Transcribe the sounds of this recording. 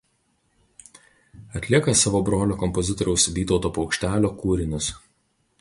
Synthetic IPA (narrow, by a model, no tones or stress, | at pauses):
ɐt̪ʲlʲiɛkɐsɑːʋoːbɾoːlʲoːkɔmpɔzʲɪt̪ɔɾʲɛʊsʋʲiːt̪ɔʊt̪oːpɐʊkʃʲt̪ʲæːlʲoːkuːɾʲɪnʲʊs